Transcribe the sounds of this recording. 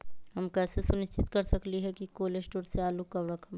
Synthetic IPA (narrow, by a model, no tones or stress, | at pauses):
ɦɐmkɛːsesʊnɪʃt͡ʃʰɪt̪kɐɾsɐkliɦɛkikoːlesʈoːɾseaːlukɐɾɾəkʰɐm